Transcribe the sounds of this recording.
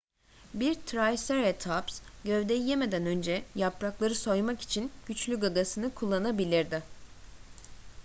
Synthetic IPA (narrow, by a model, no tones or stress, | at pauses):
biɾt̪ʰɾajseɾet̪ʰapsɟø̞vd̪ejijeme̞d̪ænø̞nd͡ʒɛjapɾaklˠaɾɯso̞jmaki̥t͡ʃʰinɟ̥yt͡ʃlʲyɡaɡasɯnɯkʰulˠːanabilʲiɾd̪ɪ